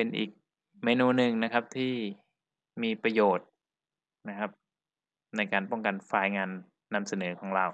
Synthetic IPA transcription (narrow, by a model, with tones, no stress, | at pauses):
pe˧nʔḭː˨˩k̚ | meː˧nuː˧nɯ˧ŋna˦˥kʰa˦˥p̚t̪ʰiː˥˩ | miː˧pɾa˧joː˨˩t̪̚ | na˦˧kʰa˦˥p̚ | na˧jkaː˧npɔ˥˩ŋka˨nfaː˧˩jŋaː˧nː | a˧msa˧nɤː˩˦kʰɔː˩˦ŋɾaː˧˩w